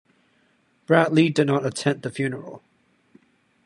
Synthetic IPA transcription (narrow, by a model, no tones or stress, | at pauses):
b̥ɹæʔˡlidɨdⁿnəɾətʰɛ̃nðɨfjʉnə˞əl̩ˠ